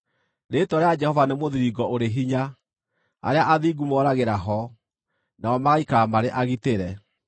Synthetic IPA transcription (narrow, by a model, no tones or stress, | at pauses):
ɾetwɔɾead͡ʒɛhɔvanemoðiɾiɡɔʔoɾeɦiɲa | a̰ɾeaʔaðiɡumɔɾaɣeɾaɦɔ | naɔmaɣaikaːmaɾeʔaɣiteɾɛ